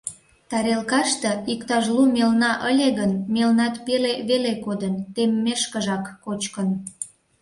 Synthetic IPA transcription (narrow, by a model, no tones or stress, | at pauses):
t̪ɑɾelkɑʃt̪eikt̪ɑʒlumelnɑʔəlʲeɣənmelnɑt̪peleβelekod̪ənt̪emːeʃkəʒɑkːot͡ɕkən